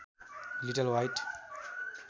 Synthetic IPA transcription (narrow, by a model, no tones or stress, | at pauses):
liʈəlwajt